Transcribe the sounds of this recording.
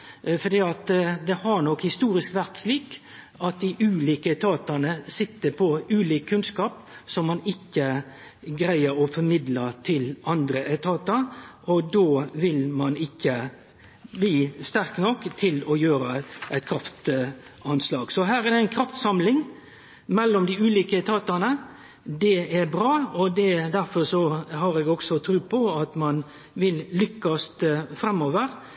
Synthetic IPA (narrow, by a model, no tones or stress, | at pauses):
fɔd̪iːɑt̪d̪ɛhɑɳɔkhɪst̪uːɾɪskʋæɾt̪sliːk | ɑt̪̚d̪ɪʔʉːliːkəɛt̪ʰɑːt̪ɑnəsɪt̪ːəpʰɔʉːliːkʰːʉnskɑːp | sɔmːɑnɪkːə | ɡɾæɪəɾɔfɔɾmɪd̪lət̪ʰɪlɑnd̪ɾəʔɛt̪ʰɑːt̪əɾʔɔd̪oːʋɪlmɑnɪkːə | bliːst̪æɾknɔkːt̪ʰɪlɔjøːɾəʔæɪt̪̚kʰɾɑft̪ɑnslɑːɡsɔɦæːɾæd̪ɛæɪnkʰɾɑft̪sɑmlɪŋ | mɛlːɔmd̪ɪʉːliːkəɛt̪ʰɑːt̪ɑnə | d̪ɛæɾbɾɑːɔd̪ɛd̪æɾfɔɾsɔɦɑɾɛɡɔɡ̥sɔt̪ʰɾʉːpʰɔɑt̪mɑn | ʋɪlːʏkːɑst̪fɾɛmːoːʋəɾ